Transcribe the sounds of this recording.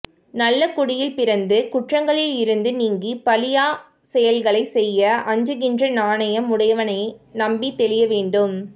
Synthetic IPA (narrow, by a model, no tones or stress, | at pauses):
nɐlːɐkʊɽɪjɪlpɪɾɐnd̪ɯkʊʈrɐŋɡɐɭɪlɪɾɯnd̪ɯniːŋɡipɐlɪjaː | sɛjɐlɣɐɭɐɪsɛjːɐʔɐɲd͡ʒɯɣɪndrɐnaːnɐjɐmːʊɽɐjɐʋɐnɐɪnɐmbit̪ːɛɭɪjɐʋeːɳɖɯm